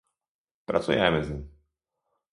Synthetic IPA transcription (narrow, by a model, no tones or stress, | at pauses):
pɾa̰t͡sujɛa̰mɛzɪɲ